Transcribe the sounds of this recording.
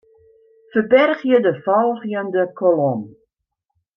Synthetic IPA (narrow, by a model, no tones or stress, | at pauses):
fəbɛrχjədəfɑlˠχjəndəkʰɔlɔm